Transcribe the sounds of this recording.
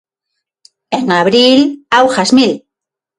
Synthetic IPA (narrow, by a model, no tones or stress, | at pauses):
eŋaβɾilawxazmil